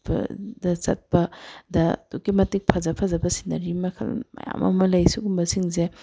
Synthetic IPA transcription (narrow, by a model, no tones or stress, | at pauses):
bɐ̰dɐsɐt̚pɐdɐtukimɐtik̚pʰɐzɐpʰɐzɐbɐsi̥nɐɾimɐkʰɐ̰lmɐ̰ja̰mɐ̰mɐlɐjsukumbɐsiŋze